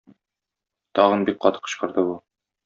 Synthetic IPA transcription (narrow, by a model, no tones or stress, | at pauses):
t̪ɒʁɤnbik̚qɒt̪ɤ̥qːɤ̆ɕqɤ̆ɾd̪ɤbu